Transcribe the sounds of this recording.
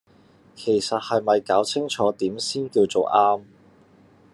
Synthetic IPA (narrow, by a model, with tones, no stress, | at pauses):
kʰe˨˩jsɐ˨t̚hɐ˨jmɐ˨jkaː˨˥wt͡sʰɪ˥ŋt͡ʃʰɔː˨˥t̪iː˨˥msiː˥nkiː˧wt͡so˨˩wʔaː˥m